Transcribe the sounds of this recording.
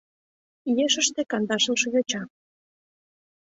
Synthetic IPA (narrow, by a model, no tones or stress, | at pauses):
ijeʃəʃt̪ekɑnd̪ɑʃə̆lʃɤjot͡ɕɑ